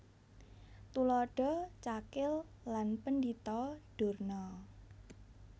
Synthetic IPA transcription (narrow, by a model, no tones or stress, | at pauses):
t̪ulɔɖ̥ɔ̤t͡ʃakɪlː | anpəndit̪ɔɖ̥o̤rnɔ